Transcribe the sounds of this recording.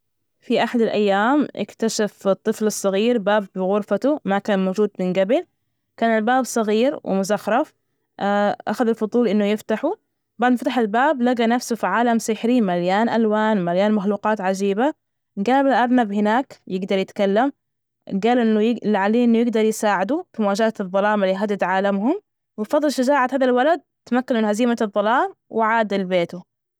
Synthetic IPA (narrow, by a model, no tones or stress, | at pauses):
fiʔaħad̪alʔajːaːmʔɪ̰kt̪aʃafɪt̪ˤːɨflɑsˤːɑɣiːɾbaːbbɪɣʊɾfat̪umakaːnmoːd͡ʒuːd̪mɪnɡabɪl | kaːnalbaːbsˤɑɣiːɾwɪ̰mʊzaxɾˤɑf | ʔa̰xaðalfʊd̪ˤuːlʔɪnːʊjɪft̪aħu | baʕd̪mɪft̪aħalbaːblaɡanafsufiʕaːlamsɪħɾiːmaljaːnʔalwaːnmaljaːnmaxluːqɑːt̪ʕad͡ʒiːba | ɡaːbɪlʔɑɾˤnabhɪnaːkjɪɡd̪ɑɾˤjɪt̪kalːam | ɡaːlʔɪnːʊjɪlʕaleːʔɪnːʊjɪɡd̪ɑɾˤjɪsaːʕɪd̪ufimʊwaːd͡ʒaat̪ɨðˤːɑlɑːmaliːɦad̪ːɪd̪ʕaːlamhʊm | wɪfɑðˤːɨlʃad͡ʒaːʕat̪haːðalwalad̪̚t̪amakːanmɪnhaziːmaɨðˤːɑlɑːmwʔɪʕaːd̪albeːt̪u